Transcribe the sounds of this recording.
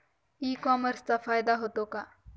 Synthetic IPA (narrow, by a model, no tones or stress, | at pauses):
iːkɔːməɾst̪afaːjɪd̪aɦoːt̪oːkaː